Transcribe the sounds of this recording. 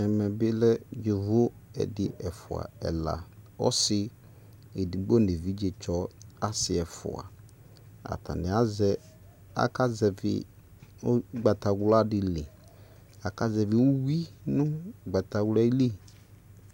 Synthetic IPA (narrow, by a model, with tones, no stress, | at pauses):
ɛ˨mɛ˨bɪ˦lɛ˦d͡ʒe˨vo˦ɛ̰˨dɪ˨ʔɛ˨fʊ̰˨a̰˨ɛ̰˨la̰˨ɔ̰˦sɪ˦ | e˨di˨ɡ͡bɔ˦˨ne˨vi˦d͡ʒe˨t͡ʃɔ˦a˦sɪ˨ɛ˨fʊ̰˨a̰˨ | a̰˨tʰa̰˨nɪ˨a˦zɛ˦ | a̰˦ka˦zɛ˨vɪ̰˨˦ | ɡ͡ba˨ta˨ɡla˦dɪ˨le˨ | a˨ka˦zɛ˨vɪ˨u˦wi˦nʊ˦˨ɡ͡ba˨ta˨wla˦i˦li˦˨